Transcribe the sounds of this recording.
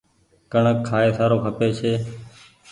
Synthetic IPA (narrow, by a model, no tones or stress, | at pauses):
kəɳəkʰːaːeːsaːɾoːkʰəpeːt͡ʃʰeː